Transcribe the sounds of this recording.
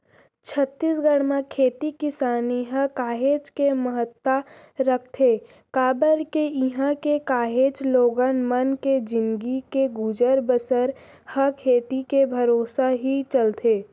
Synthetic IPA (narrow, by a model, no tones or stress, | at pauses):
t͡ʃʰət̪ːiːsɡəɽmãkʰeːt̪ikɪsaːniɦəkaːɦeːt͡ʃkeməɦət̪ːa | ɾək̚ʰt̪ʰe | kaːbəɾkeɪɦãkekaːɦeːt͡ʃloːɡənmənked͡ʒɪ̃nɡikeɡud͡ʒəɾbəsəɾ | həkʰeːt̪ikebʱəɾoːsaɦit͡ʃəlt̪ʰeː